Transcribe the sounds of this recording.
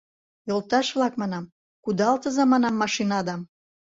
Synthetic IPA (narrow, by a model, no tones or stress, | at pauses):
jolˠt̪ɑʃβlɑkmɑnɑm | kud̪ɑlt̪əzɑmɑnɑmːɑʃinɑd̪ɑm